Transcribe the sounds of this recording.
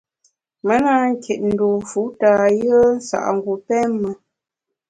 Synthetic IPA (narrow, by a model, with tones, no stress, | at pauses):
mə˦na˦ŋ̩˦kʰe˨t̚n̩˨do˨fu˨˦ta˨jə˦n̩˦sa̰˨ʔŋ˨ɡu˨pɛ˦mmːə˨